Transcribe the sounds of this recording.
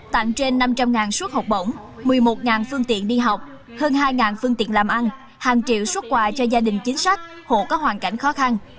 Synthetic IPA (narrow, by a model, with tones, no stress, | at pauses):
t̪a̰˧˨ŋt͡ɕe˧nːa˧mt͡ɕa˧mŋaː˨˩nsu˦˥ət̚hɔ˨˩wk͡p̚ɓo̰˧˥˩wŋ͡m | mɨ˨˩əjmo˨˩t̚ŋaː˨˩nfɨ˧əŋt̪ḭ˧˨ənɗi˧ɦa˨˩wk͡p̚ | həː˧nɦaː˧jŋaː˨˩nfɨ˧əŋt̪ḭ˧˨ənlaː˨˩mʔa˧n | haː˨˩ŋt͡ɕḭ˧˨əwswə˦˥t̚kwaː˨˩t͡ɕɔ˧zaː˧ɗï˨˩ŋ̟t͡ɕï˨˦ŋ̟sa˦˥jk̟̚ | ho̰˧˨kɔ˨˦ɦwaː˨˩nka˧˩jŋ̟xɔ˨˦xa˧n